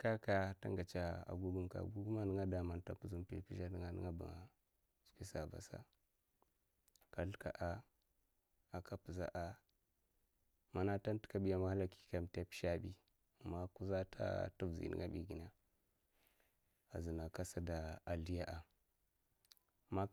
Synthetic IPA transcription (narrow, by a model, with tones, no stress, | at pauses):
ka˦ka˨ta̰˦ŋɡa˨t͡ʃa˦a̰˨ɡu˦ɡu˦mka̰˨ɡu˦ɡu˦ma˦nə˦ŋa˦da˨ma˨nta˨pu˨zu˦m˦tḭ˨pi˦ʃa˦ni˨ŋa˦nə̰˦ŋa˦ba̰˨ŋa˨ | spi˦sa˨ba̰˨sa̰˦ | ka˨ɬka̰˨ʔa˦ | a˨ka˦pu˨za̰˦ʔa˨ | ma˨na˦ta˦n˦ti̥˦ka˦bi˦ja˨ma˨ha˦la˨ki̥˨ka˨m˨te˦pi̥˦ʃa˦bi˦ | a˨mːa˦ku˦za˦tʰa̰˦tu˦vzḭ˨nḭ˦ŋa˦bi˨ɡi˨na˦ | a˨zi˨na˨ka˦sa˦da˨a˨li˦ja˦ʔa˨ | ma˦